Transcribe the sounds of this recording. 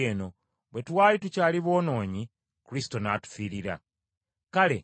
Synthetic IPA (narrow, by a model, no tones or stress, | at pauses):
eːno̞ | βwe̞twaːlitucaːliβo̞ːno̞ːɲi | kuɾisi̥to̞natu̥fiɾiɾa̰ | kale̞̰